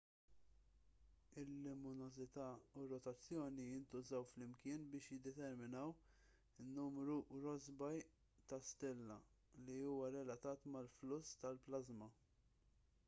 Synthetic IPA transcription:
ɪlːɪmːʊnɔzɪt̪ɐuɾɔt̪ɐt͡sːjɔːnijɪnt̪ʊzɐwflɪmkɪːnbɪːʃjɪd̪ːɛt̪ɛɾmɪnɐw | ɪnːuːmɾuɾɔzbɐjʔ | t̪ɐst̪ɛlːɐ | liuːwɐɾɛlɐt̪ɐːt̪mɐlflʊst̪ɐlplɐzmɐ

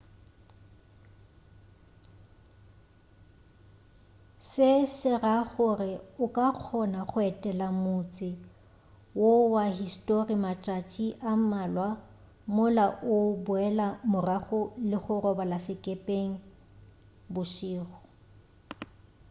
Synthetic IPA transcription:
sɪsɪraɣʊrɪʊkʼaq͡χʰɔnaχʊɛtʼɛlamʊt͡sʼɪ | wowahistʼorimat͡ʃʼat͡ʃʼiʔamalwa | mʊlaʔʊbʊɛlamʊraχʊlɪχʊrɔbalasɪkʼepʼeŋ̩ | bʊʃiːɣɔ̥

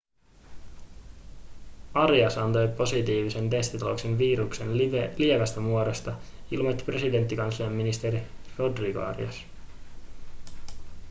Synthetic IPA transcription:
ɑɾiɑsɑnt̪o̞jpo̞sit̪iːʋise̞nt̪e̞st̪it̪oloksenʋiːɾukse̞nlie̞ʋæst̪æmuo̞ɾo̞st̪ɑilmo̞t̪ːi̥pre̞side̞nt̪ːikɑnslijɑmːinist̪e̞ɾiro̞driɡo̰ɑ̰ɾḭɑ̰s

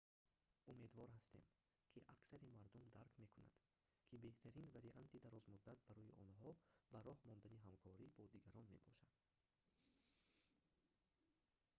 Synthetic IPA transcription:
ume̞d̪vɔɾɦast̪e̞̰m | kʰiʔaksaɾimaɾd̪umd̪aɾkʰme̞kʰuna̰d̪̥ | kʰibe̞ht̪ʰaɾinvaɾiʔant̪id̪aɾɔzmud̪ːat̪̚baɾɔjiʔɔ̰nɦɔbaɾɔhmɔnd̪aniɦamkʰɔɾibɔd̪iɡaɾɔnme̞̰bɔʃad̪̥

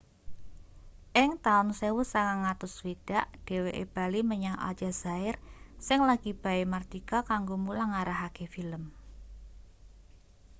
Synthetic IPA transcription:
ʔɪŋt̪aʊnsewʊsaŋaŋat̪ʊswed̥aʔd̥eweʔeb̥a̤liməɲaʔa̰d͡ʒaz̥aɪrsɪŋlaɡ̥ib̥a̤emart̪ikakaŋɡomulaŋaɾaɦakefiləm

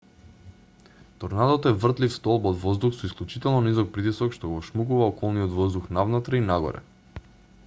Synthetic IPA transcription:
t̪ɔɾnad̪ɔt̪ɛvr̩t̪lifst̪ɔlˠbɔd̪vɔzd̪uxsɔisklʲut͡ʃit̪ɛlˠnɔnizɔk̚pɾit̪isɔkʃt̪ɔɡɔʃmukuvaɔkɔlˠnijɔt̪vɔzd̪uxnavnat̪ɾɛinaɡɔ̰ɾɛ̰

